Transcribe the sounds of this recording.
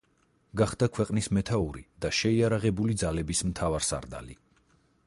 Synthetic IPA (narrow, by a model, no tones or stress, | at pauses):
ɡaχd̪akʰwɛqʼnismɛt̪ʰauɾḭd̪̥aʃɛiaɾaʁɛbulid̪zalɛbismt̪ʰavaɾsa̰ɾd̪a̰lḭ